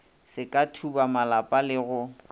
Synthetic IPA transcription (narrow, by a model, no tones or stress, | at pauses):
sɪkʼatʰubamalapʼalɪɣʊ